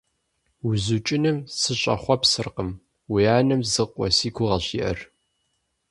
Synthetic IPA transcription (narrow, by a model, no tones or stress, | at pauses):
wʊzut͡ʃʼɪnɨmsɨɕʼɐ̰χʷɔpsɨrqəm | wijaːnɨmzɨqʷʼɔ̰siːkʷʰʊʁɐɕḭʔɐ̰r